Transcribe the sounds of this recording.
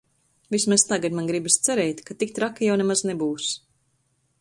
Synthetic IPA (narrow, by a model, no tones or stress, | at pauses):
vismast̪aɡad̪manɡɾibast̪sɛɾɛjt̪kat̪ik̚t̪ɾakːijawnɛmaznɛbuːs